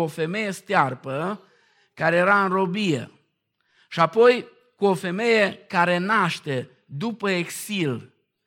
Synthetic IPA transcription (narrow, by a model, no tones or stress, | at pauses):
ofe̞me̞je̞st̪earpə | kaɾe̞jeɾaɨnro̞bijḛ | ʃiapo̞j | kuo̞fe̞me̞je̞kaɾe̞naʃt̪e̞ | d̪upəeksil